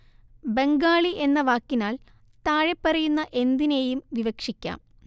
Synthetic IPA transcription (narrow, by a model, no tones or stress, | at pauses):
be̞ŋɡaːɭiʔe̞nːɐʋaːkːinaːl | t̪aːɻepːɐrɐjunːɐʔe̞nd̪inejumʋiʋɐkʂikʲːa̰ːm